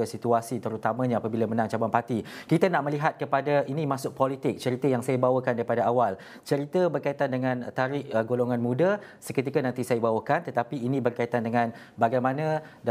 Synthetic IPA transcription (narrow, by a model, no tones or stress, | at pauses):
əsit̪uasit̪əɾut̪amãɲaapabilamənãŋt͡ʃabanpat̪ikit̪anaʔmə̃liɦat̪̚kəpadainĩmasʊk̚polit̪ɪk̚t͡ʃəɾit̪əjaŋsajabawəkandaɾipadaawal | t͡ʃəɾit̪əbərkait̪andəŋãnt̪aɾɪəɡoloŋanmũda | səkət̪ikanãnt̪isajabawəkant̪ət̪apiːnĩbərkait̪andəŋãn | baɡajmanãd